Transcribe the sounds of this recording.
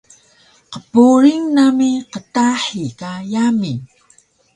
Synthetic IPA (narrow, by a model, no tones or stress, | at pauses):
qəpuɾiŋnamiqətaħikajami